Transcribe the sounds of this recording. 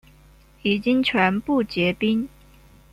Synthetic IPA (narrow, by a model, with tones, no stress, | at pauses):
i˨˩t͡ɕi˥ŋt͡ɕʰɥɛ˧˥npu˥˩t͡ɕjɛ˧˥pi˥ŋ